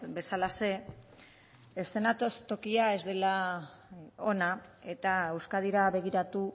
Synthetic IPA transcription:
be̞salase̞ | est̪e̞nat̪o̞st̪o̞kiae̞zd̪e̞la | o̞nae̞t̪ae̞wskað̞iɾaβe̞ɣ̞iɾat̪u

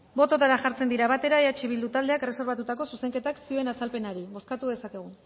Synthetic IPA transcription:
bo̞t̪o̞t̪aɾaʝaɾt͡send̪iɾaβat̪e̞ɾaeat͡ʃiβ̞ild̪ut̪ald̪e̞akre̞se̞ɾβat̪ut̪ako̞suse̞ŋke̞t̪aksiue̞nasalpe̞naɾiβo̞skat̪uðe̞sake̞ɣ̞u

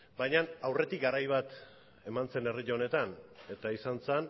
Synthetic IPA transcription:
bajɲanawre̞t̪ik̚ɡaɾajβ̞at̪ | e̞mant͡se̞ne̞riʎone̞t̪ane̞t̪aisant͡sen

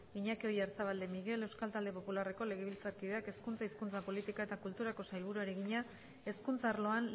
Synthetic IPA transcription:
iɲakeo̞jaɾsaβald̪e̞miɣe̞le̞wskalt̪ald̪e̞po̞pulare̞ko̞le̞ɣe̞βilt͡saɾkiðeake̞skunt͡saiskunt͡sapo̞lit̪ikae̞t̪akult̪uɾako̞sajlβ̞uɾueɾe̞ɣiɲa | e̞skunt͡saːɾlo̞an

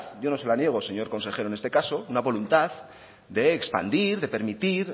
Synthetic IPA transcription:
ʝo̞no̞se̞lanje̞ɣ̞o̞se̞ɲo̞ɾko̞nse̞xe̞ɾoenest̪e̞kaso̞unaβo̞lunt̪að | d̪e̞ːkspa̰nd̪iɾðe̞pe̞ɾmit̪iɾ

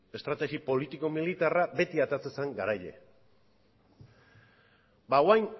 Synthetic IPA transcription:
e̞st̪ɾat̪eɣipo̞lit̪iko̞milit̪arabe̞t̪iat̪eat͡sesaŋɡaɾajʎe̞̰ | bawajn

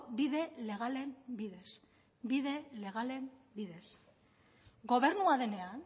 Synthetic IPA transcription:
biðe̞le̞ɣale̞mbiðe̞s | biðe̞le̞ɣ̞ale̞mbiðe̞s | ɡo̞βe̞ɾnuaðe̞ne̞an

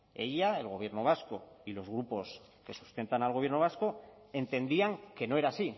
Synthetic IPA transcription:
e̞̰ʎaelɣ̞o̞β̞je̞ɾnoβ̞asko̞ilo̞zɣ̞ɾupo̞s | ke̞su̥st̪e̞nt̪analɣ̞oβje̞ɾno̞β̞asko̞ | e̞nt̪e̞nd̪iaŋke̞no̞e̞ɾasi

